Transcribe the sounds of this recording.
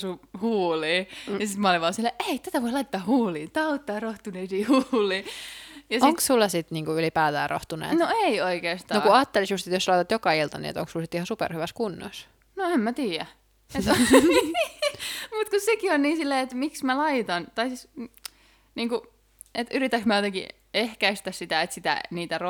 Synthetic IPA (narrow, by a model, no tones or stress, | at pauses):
suhuːliːjɑsit̪mɑːlimɑoselːeʔeit̪æt̪æʋoilɑit̪ːɑːhuːliːt̪ɑut̪ːɑːroht̪uneːsiːhuːliːjɑsoŋkssulːɑsit̪niːŋkuylipæːt̪æːrʔo̰ht̪unḛːtnnoeioikeːst̪ɑnokuɑːt̪ːelisjust̪et̪joslɑijt̪ɑt̪jokɑilt̪ɑnḭḛt̪o̰ŋksulsit̪ihɑsupɛ̰rhyʋæskunːo̰s | noemmæt̪iːjæ | et̪ | mut̪kussekionniːsilːeːet̪miksmælɑit̪ɑnt̪ɑisis | niːŋku | et̪yɾit̪ːæksmæot̪eŋkḭ | ehkæist̪æssit̪æet̪sit̪æ̰niːt̪æro